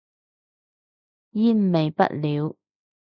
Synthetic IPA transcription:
jiː˥n̩˨me˨jpɐ̰˥t̚liː˨˧w

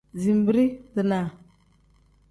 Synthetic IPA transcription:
zi˨m˨bi˦ɾi˦də˨na˨

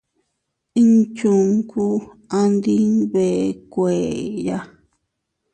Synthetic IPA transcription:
ĩ˦nt͡ʃu˧ŋku˦ | a˧nd̪i˦βe˨kʷeː˨ja˧

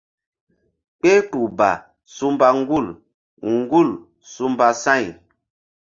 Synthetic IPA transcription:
k͡pe˦tu˨ba̰˨ | su˦mba˦ŋ̩˦ɡu˦˨l | ŋ˦ɡu˦˨l | su˦mba˦sã˦˨j

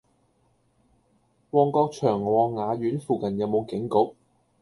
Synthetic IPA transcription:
wɔː˨˧ŋkɔː˧k̚t͡ʃʰœː˨˩ŋwɔː˨˧ŋːaː˨˧ɥyː˨˥nfuː˨kɐ˨˩njɐ˨˧wmo˨˧wkɪ˨˥ŋkʊ˨˥k̚

